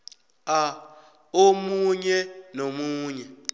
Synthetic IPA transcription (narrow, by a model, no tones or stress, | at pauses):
a | omuɲɛnomuːɲɛ